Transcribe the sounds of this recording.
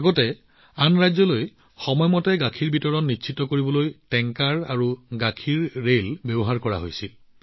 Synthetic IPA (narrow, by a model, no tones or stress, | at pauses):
aɡɔtɛ | anɹajzɔloj | xɔmɔjmɔtɛɡakʰiɹbʱitɔɹɔnːitːʃʰitɔkoɹibɔlojtɛŋkaɹaɹuɡakʰiɹːelbebɔɦaɹkɔɹa̰ɦo̰jsil